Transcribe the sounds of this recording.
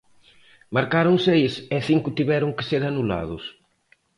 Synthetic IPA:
maɾkaɾʊŋsejsɛθiŋkʊt̪iβɛɾʊŋkeseɾanula̰ðʊs

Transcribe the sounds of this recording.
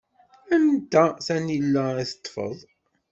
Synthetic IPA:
ænt̪æθænilːæiθə̥t̪ˤːfə̰ðˤ

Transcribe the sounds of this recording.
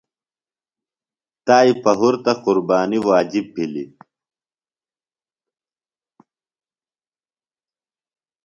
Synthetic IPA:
t̪aːipɐɦuɾt̪ɐquɾbaːniwaːd͡ʑib̚pilḭ

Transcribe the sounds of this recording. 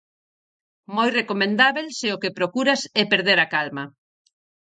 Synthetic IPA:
mojrekomẽnd̪aβelseʊkepɾokuɾasɛpeɾð̞eɾakalma

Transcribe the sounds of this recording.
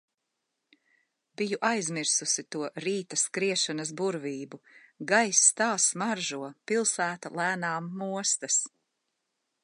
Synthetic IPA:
bijuʔajzmiɾsusit̪uɔɾiːt̪ɐskɾiɛʃanɐs̬buɾviːbuɡajsːt̪aːsmaɾʒuɔpilˠsæːt̪alˠæːnaːmːuɔst̪ɐs

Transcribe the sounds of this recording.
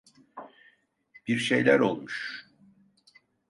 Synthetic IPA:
b̥iɾʃe̞jlʲæɾo̞lˠmuʃ

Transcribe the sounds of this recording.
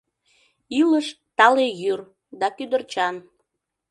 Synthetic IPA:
iləʃ | t̪ɑlejyr | d̪ɑkyd̪ərt͡ɕɑn

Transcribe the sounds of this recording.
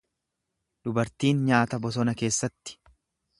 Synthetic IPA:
d̪ʊbɐɾt̪iːnɲaːt̪ɐbɔs̬ɔnɐke̞ːsːɐt̪ːɪ̥

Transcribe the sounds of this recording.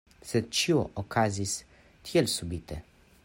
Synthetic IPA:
sɛt͡ʃioʔɔkʰazis | t̪ʰjɛlsubit̪ʰɛ

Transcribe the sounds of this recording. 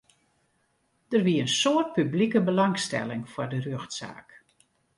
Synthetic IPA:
d̥ərʋiəənsoərt̚pyblikəbəlɑŋstɛ̰lɪŋfɔrdərøxtsa̰ːk

